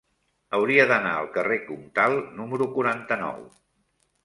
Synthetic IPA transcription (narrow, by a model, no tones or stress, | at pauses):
əwɾiəðəna̰ə̰lˠkərekumt̪alˠnuməɾukuɾant̪ənɔ̰w